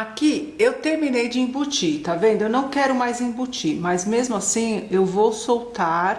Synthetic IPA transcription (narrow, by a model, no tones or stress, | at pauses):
akiewt̪eɾminejd͡ʒɪĩbut͡ʃit̪avẽnd̪ʊewnɐ̃w̃kɛɾʊmajzĩbut͡ʃimɐjzmezmʊasĩewvowsowt̪aɾ